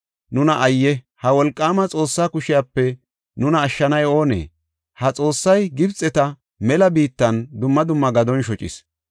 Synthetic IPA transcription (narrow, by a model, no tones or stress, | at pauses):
nʊnɐʔɐjːɛ | hɐwɔlkʼːaːmɐt͡sʼo̞ːsːaːkʊʃɪjaːpːɛ | nʊnɐːʃːɐnɐjo̞ːnḛː | hɐt͡sʼo̞ːsːɐjɡɪbt͡sʼːɛt̪ɐ | mɛlɐbiːt̪ːɐnd̪ʊmːɐd̪ʊmːɐɡɐd̪ɔnʃɔt͡ʃʼɪ̰s